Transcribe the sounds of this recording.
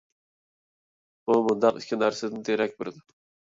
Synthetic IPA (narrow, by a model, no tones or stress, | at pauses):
bumʊnd̪ɑqɪ̰ʃkʲʰɪnæɾsæd̪ɪnɪt̪ʰeɾɛk̚ʲbɪɾd̪ɪ